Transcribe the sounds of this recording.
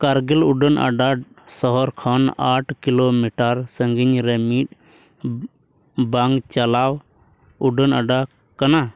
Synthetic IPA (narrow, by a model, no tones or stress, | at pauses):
kaɾɡɛluɖənʔa̰ɖa | sɔɦɔɾkʰɔnaʈʰkilomiʈaɾsəŋɡiɲɾɛmit̚ | baŋɡt͡ʃalaw | uɖənaɖa | kana